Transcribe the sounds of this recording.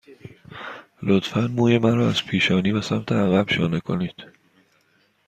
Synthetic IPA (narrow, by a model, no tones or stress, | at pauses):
lot̪fænmuːjemæɾɒːæz̥pʰiːʃɒːniːbesæmt̪ʰeæɣæb̥ʃɒ̰ːnekʰo̞̰niːd̪̥